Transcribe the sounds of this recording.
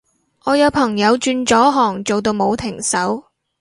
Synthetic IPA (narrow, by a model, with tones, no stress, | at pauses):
ʔɔː˨˧jɐ˨˧wpʰɐ˨˩ŋjɐ˨˧wt͡ʃyː˧nt͡ʃɔː˨˥ɦɔː˨˩ŋt͡so˨wt̪o˧wmo˨˧wt̪ʰɪ˨˩ŋsɐ˨˥w